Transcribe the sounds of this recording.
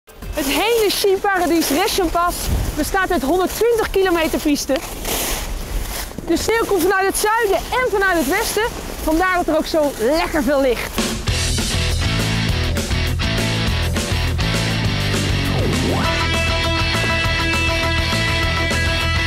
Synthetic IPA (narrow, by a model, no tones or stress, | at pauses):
ɦətɦejləʃipaːradisrɪʃəmpɑsbəstaːtœtɦɔndəɹtʋɪntəχkilomejtəɹpistə | dəsneːwkɔmtfɑnœɥtɦətsœɥdəɛnvɑnœɥtɦətʋɛstə | v̥ɑndaːɹdɑtəɾowksowlɛkəɹvɪːlɪχt